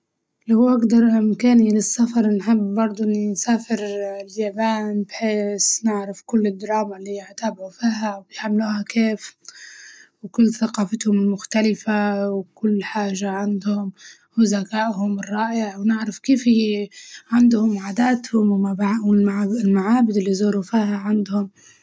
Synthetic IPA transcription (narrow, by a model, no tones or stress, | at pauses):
lawʔaɡd̪ɑɾˤʔɪmkaːnilɪsːafɑɾˤnħɪbːɑɾˤd̪ˤʊʔinsaːfɪɾljaːbaːnbħeːsnɪʕɾɪfkʊlːɪd̪ːɑɾˤɑːmalːiːjɪʕt̪abʕufiːɦawjħamːluːhakeːf | wkʊlːθaqɑːfɪt̪hʊmɪlmʊxt̪alɪfawkʊlːħaːʒaʕand̪hʊm | hʊzakaːʔɦʊmɪrˤːɑːʔɪʕwnɪʕɾafkiːfhi | ʕand̪hʊmʕaːd̪aːt̪hʊmwmawɪlɪlmaʕaːbɪd̪ɪlːizuːɾufiːhaʕand̪hʊm